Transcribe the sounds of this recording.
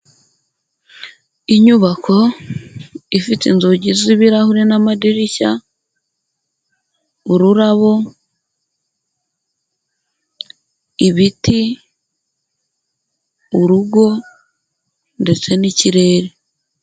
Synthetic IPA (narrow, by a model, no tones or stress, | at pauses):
iɲuβakʰo̞ | ifitinzoɟiziβiɾahuɾinamadiɾica | uɾuɾaβo̞ | βiti | uɾuɡo̞ | nde̞t͡se̞niciɾe̞ːɾe